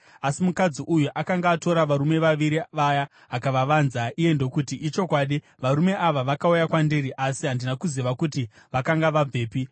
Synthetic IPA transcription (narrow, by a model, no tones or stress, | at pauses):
asimukad͡ziʔujuʔakaŋɡaːto̞ɾaʋaɾume̞ʋaʋiɾiʋaja | akaʋaʋanzaije̞ndo̞kutiʔit͡ʃo̞kwaɗi | ʋaɾume̞ʔaʋaʋakaujakwandiɾiʔasiɦandinakuziʋakuti | ʋakaŋɡaʋab͡vʱe̞ːpi